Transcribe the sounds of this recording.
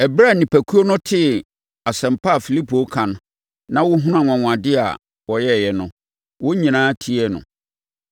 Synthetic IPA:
ɛ˨bɾa˦˨nĩ˨pʰæ˨kʰu˦o˦nʊ̃˦tʰɪ˦ | a˨sɛ̃˨m̩˨pa˦a˨fi˨li˦pʰo˨˦kʰã˨n˦ | nã˦wʊ˦ɦʊ̃˦nʊ̃˦a˨ŋʷã˨ŋʷ˨ã˨dɪ˦a̰˨ | wɔ˨jɛ˦˨jɛ˨nʊ̃˨ | wʊ˦ɲĩ˨nãː˦tʰi˦ɛ˦nʊ̰̃˨

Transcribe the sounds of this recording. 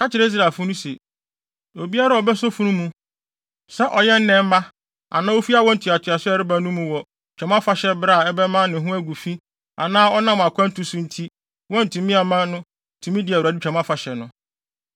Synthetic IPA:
kʰa˦t͡ɕʰɪ˨ɾɛ˦i˦s̬ɾa˨fʊ˦nʊ̃˦se˨ | o˨bi˦a˦ɾa˦ɔ˨bɛ˦so˦fũ˦nʊ̃˦mũ˨ | sɛ˦ʔɔ˨jɛ˦n̩˦nɛ̃˨m̩˦ma˦ | a̰˨nãː˦o˦fi˦a˨wɔ̃˦n̩˨tʰũ˨a˨tʰa˨sɪ˦ɛ˨˦ɾɪ˦ba˨nʊ̃˦mũ˨˦wɔ˨ | t͡ɕᶣɛ̃˨m˦ã˦fa˨ɕɛ˦bɾa˦˨ɛ˦bɛ˦mã˦nɪ̃˨ɦʊ̃˦æ˦ɡu˨fi˦ | a̰˨nãː˦ɔ˦nã˦m˨a˨kʷʰã˦n̩˦tʰu˨sũ˦n̩˦tʰi˦ | wɔ̃˦n̩˨tʰũ˨mĩ˦a˨mã˦nʊ̃˦˨ | tʰũ˨mĩ˦dɪ˨æ˨u˨ɾa˨di˦t͡ɕᶣʰɛ̃˨m˦ã˦fa˨ɕɛ˨nʊ̃˨˦

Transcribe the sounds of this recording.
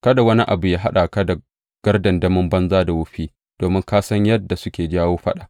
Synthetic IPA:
kɐ˦da˨wɐ˦ni˦ʔa̰˨bu˨jaː˦ɦa˦ɗa˨kɐ˦da˨ | ɡ̥ɐ˦rdɐ˨ndɐ˦mʊ˦mbɐ˦nzaː˦da˨wʊ˦ɸiː˦ | d̥oː˨mɪ˦ŋkaː˦sɐ˦ɲjɐ˦dːa˨sʊ˦kʲeː˨d͡ʒaː˦woː˦ɸɐ̰˦ɗa˨

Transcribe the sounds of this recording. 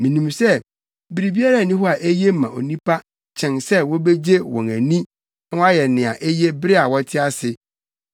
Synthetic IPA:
mĩ˨nĩ˨msɛ˦ | bɾi˨bi˦a˦ɾa˦˨nĩ˦ɦɔ˦a˨ʔe˦je˦mã˨o̰˨nĩ˦pʰa˦ | t͡ɕʰɛ̃˨nsɛ˦wɔ˦be˦d͡ʑe˦wɔ̰̃˨næ̃˨nĩ˦ | a˦wa˦jɛ˨nɪ̃˨a̰˨ʔe˦je˦bɾɪ˦a˨wɔ˦tʰɪ˦a˦sɪ˨

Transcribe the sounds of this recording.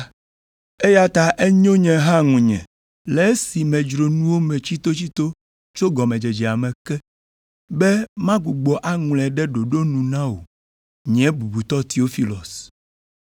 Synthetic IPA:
e˦ja˦t̪a˨ʔe˦ɲõ˦ɲɛ̃˨ɦã˦ŋũ˨ɲɛ̰̃˨ | le˨˦si˨mɛ̃˨d͡ʒɾo˨nũ˦wo˦mɛ̃˨t͡ɕi˦t̪o˦t͡ɕi˦t̪o˦ | t͡ʃo˦ɡɔ˨mɛ̃˨d͡ʒe˨d͡ʒɛ˨a˨mɛ̃˨kɛ˦ | bɛ˦mã˦ɡu˨ɡ͡bɔ˨ʔa˦ŋũ˨lɛ˨ɖɛ˦ɖo˨ɖo˦nũ˨nã˦wo̰˨ | ɲɛ̃˨˦bu˨bu˨t̪ɔ˦t̪i˨o˦fi˦lɔ˨s

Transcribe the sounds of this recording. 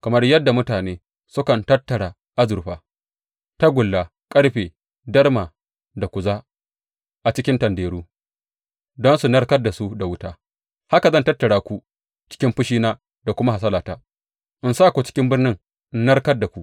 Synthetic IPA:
kɐ˨mɐ˦rjɐ˦dːa˨mʊ˦taː˨neː˦ | sʊ˦kɐ˨ntɐ˦tːɐ˨ɽaː˨ | ʔa˦zʊ˨ɸaː˨ | ta˦ɡʷʊ˨lːaː˨ | kʼɐ˦ɽɸeː˨ | dɐ˦rmaː˨ | da˨kʷʊ˨zaː˦ | ʔa˨t͡ʃɪ˦kʲɪ˦ntɐ˨ndeː˨ɽuː˦ | dɔ˦nsu˨nɐ˦rkɐ˦dːa˨su˦da˨wʊ˦taː˦ | ha˦ka˨zɐ˦ntɐ˦tːɐ˨ɽaː˨kʷu˦ | t͡ʃɪ̥˦kʲɪ˦mɸʊ˦ʃiː˦naː˦ | da˨kʷʊ˦ma˦ha˨s̬ɐ˦laː˨taː˦ | ʔɪ˨nsa˦˨kʷu˨t͡ʃɪ̥˦kʲɪ˦mbɪ˦rnɪ˦ŋ˦ | nnɐ˦rkɐ˦rdːa˨kʷu˦ʔ

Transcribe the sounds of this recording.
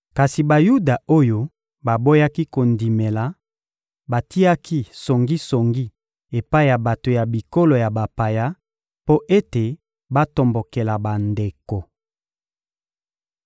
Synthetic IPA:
ka˨si˨ba˨ju˦da˨o˦jo˦ | ba˨bo˦ja˦ki˦ko˨ndi˨me˨la˨ | ba˨ti˦ja˦kʰi˦so˨ŋɡi˦so˨ŋɡi˦ | e˨pa˦i˦˨ja˨ba˨to˨ja˨bi˨ko˦lo˨ja˨ba˨pa˨ja˦ | po˦ʔe˦te˨ | ba˦to˨mbo˨ke˨la˨ba˨nde˨ko˨

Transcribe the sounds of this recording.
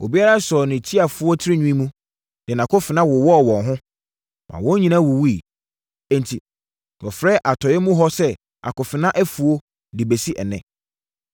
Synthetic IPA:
ʔo̰˨bi˦a˦ɾa˦sɔ˨nɪ̃˨tʰi˦a˨fʊ˨˦ɔ˦tʰɪ˦ɾɪ˦ɲũ˦ĩ˦mũ˦ | d̥ɪ˨nã˨kʰʊ˦fɪ˨nã˦wʊ˨wɔ˦˨wɔ̃˨nɦʊ̃˦ | mʔã̰˨wɔ̃˦ɲĩ˨nã˦wʊ˨wi˦˨ | ɛ̃˦ntʰi˨ | wɔ˨fɾɛː˦ʔa˨tʰɔ˨jɛ˦mũ˦ɦɔ˦sɛ˦ | a̰˨kʊ˨fɪ˨nã˦ʔæ˦fu˨o˦ | dɪ˨be˨si˦ʔɛ̰˨nɛ̰̃˦˨

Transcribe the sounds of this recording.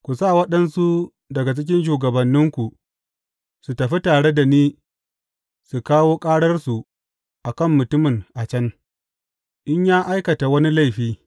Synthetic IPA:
kʷu˨saː˦˨wɐ˦ɗɐ˦nsu˦ | dɐ˨ɡa˨t͡ʃɪ˦kʲɪ˦nʃ̬uː˨ɡɐ˨bɐ˨nːɪ˦ŋkʷu˨ʔ | su˨tɐ˨ɸi˦taː˨ɽe˦da˨niː˦ | su˨kaː˦woː˦kʼaː˦ɽɐ˦rsu˨ | ʔa˨kɐ˦˨mːʊ˨tʊ˦mɪ˨ŋʔa˨t͡ʃɐ˦n | ʔɪ˦ɲjaː˦ʔa˦jkɐ˨ta˨wɐ˦ni˦la˦˨jɸiː˦

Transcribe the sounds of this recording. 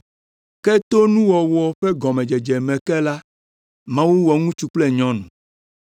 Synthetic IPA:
kɛ˦t̪o˦nũ˦wɔ˨wɔ˨ɸɛ˦ɡɔ˨mɛ̃˨d͡ʒɛ˨d͡ʒɛ˨mɛ̃˨kɛ˦la˦ | mã˦wu˦wɔ˨ŋũ˦t͡ʃu˦k͡plɛ˦ɲɔ̃˦nũ˨

